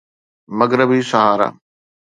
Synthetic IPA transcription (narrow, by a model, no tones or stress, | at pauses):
mɐɡɾəbiːsɐɦaːɾa̰